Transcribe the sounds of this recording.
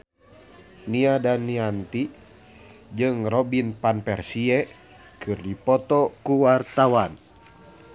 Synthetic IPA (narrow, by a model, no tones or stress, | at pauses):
niadanːiant̪i | d͡ʒɨŋrɔbinpanpɛrsiɛ | kʰɨrdipɔt̪ɔkuwart̪awan